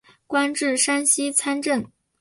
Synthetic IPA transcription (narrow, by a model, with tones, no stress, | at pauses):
kwa˥nʈ͡ʂɻ̩˥˩ʂa˥nɕi˥t͡sʰa˥nʈ͡ʂə˥˩n